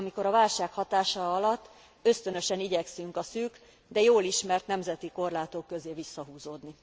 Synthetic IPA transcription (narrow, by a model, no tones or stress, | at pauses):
miko̞ɾɒvaːlʃaːkhɒt̪aːʃɒɒlɒt̪ː | ø̞st̪ø̞nø̞ʃɛniɟɛksyŋkɒsyːk | d̪ɛjoːliʃmɛrt̪nɛmzɛt̪iko̞rlaːt̪oːkːø̞zeːvisːɒɦuːzoːd̪ni